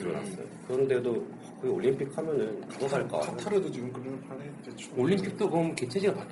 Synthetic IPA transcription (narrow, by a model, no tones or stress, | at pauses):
ʌna̰s͈ʌ̰jo̰kɯɾʌnde̞do | kʰoioɭʎːimpʰik̚hamjʌnɯnkadʌɡaɭk͈a̰atʰaɾɯdot͡ɕiɡɯmkɯɾɯnpʰanet͡ɕe | oʎːimpʰik̚t͈oɡʌmket͡ɕʰed͡ʑiɡapak